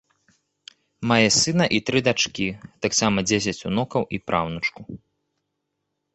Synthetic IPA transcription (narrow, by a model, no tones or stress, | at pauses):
majɛsɨnɐʔit̪ɾɨd̪at͡ʂkʲit̪aksamɐd͡zʲes̬ʲɐt͡sʲunɔkɐwʔipɾʔawnɐt͡ʂku